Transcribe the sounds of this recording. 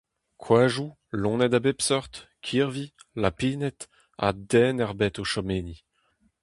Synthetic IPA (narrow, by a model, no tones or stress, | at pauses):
kʰwaːʒu | lɔ̃nɛd̪abepsɔʁt̪kʰiʁvilapiːnɛt̪ | a̰d̪ɛːnɛʁbɛt̪oʃɔmeːni